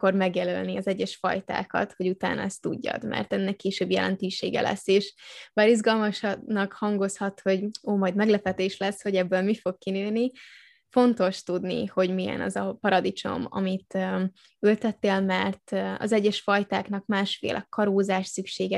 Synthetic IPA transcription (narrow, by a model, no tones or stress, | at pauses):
ko̞rmɛɡjɛløːlniɒzɛɟːɛʃfɒ̰jt̪a̰ːkɒ̰t̪ho̞ɟut̪a̰ːnɒ̰ɛst̪uɟːɒ̰d̪mɛ̰rt̪ɛnːɛkːeːʃøːbjɛlɛ̰nt̪øːʃeːɡɛ̰lʔɛ̰sːeːʃbaːɾizɡɒlmɒʃnɒkhɒŋɡo̞shɒt̪ho̞ɟoːmɒjd̪mɛɡlɛpɛt̪eːʃlɛsho̞ɟɛbːølmifo̞kkːinøːni | fo̞nt̪o̞ʃt̪ud̪nḭho̞ɟmijɛ̰nɒ̰zɒpɒɾɒd̪it͡ʃo̞̰mɒ̰mit̪ː | ylt̪ɛt̪ːeːlmɛrt̪ɒ̰zɛɟːɛʃfɒjt̪aːknɒkmaːʃfḛːlʔɛkɒɾoːzaːʃsykʃeːɡɛ